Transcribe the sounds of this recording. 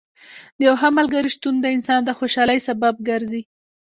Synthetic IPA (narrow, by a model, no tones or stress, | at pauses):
d̪əjawɦamalɡaɾiʃt̪und̪əɪnsɑnd̪əxoʃɑləjsabab̚ɡaɾzi